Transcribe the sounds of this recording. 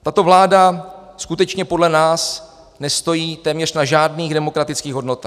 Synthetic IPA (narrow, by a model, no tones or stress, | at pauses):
t̪at̪o̞vlaːdaskut̪ɛt͡ʃɲɛpo̞dlɛnaːs | nɛst̪o̞jiːt̪ɛːmɲɛr̝̥naʒaːdniːɣdɛmo̞kɾat̪ɪt͡skiːɣɦo̞dno̞t̪aːx